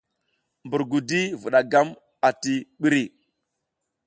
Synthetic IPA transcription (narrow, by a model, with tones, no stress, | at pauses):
mbu˨ɾɡu˨di˦vu˨ɗa˨ɡa˦m | a˨ti˦ɓi˦ɾi˨